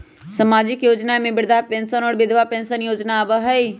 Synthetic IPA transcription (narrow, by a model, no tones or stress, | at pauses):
səmaːd͡ʒɪkjoːd͡ʒnamẽbɪɾd̪ʱapẽnsənɔːɾbɪd̪ʱʋapẽnsənjoːd͡ʒnabəɦəi